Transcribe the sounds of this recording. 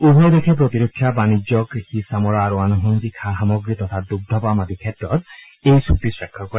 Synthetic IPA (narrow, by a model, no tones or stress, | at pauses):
ubʱɔjd̪ekʰepɹot̪iɾukʰːjabanid͡ʒɔkixisamɔɹaɾɔanɔɦund̪ikʰaɦamɔɡɾit̪ɔt̪ʰad̪uɡ̚d̪ʱɔpamad̪ikʰɛtɹɔt̪̚ | ejsupisɹɛkʰːɔkɔe